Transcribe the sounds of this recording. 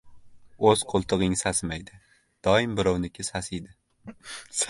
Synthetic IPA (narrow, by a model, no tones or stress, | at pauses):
oz̥qʰolˠt̪ʰɨʁɪŋsasɪmajd̪ɪ | d̪̥ɒɪmbɪɾɒwnɪkʲʰɪsasɪd̪ɪ | s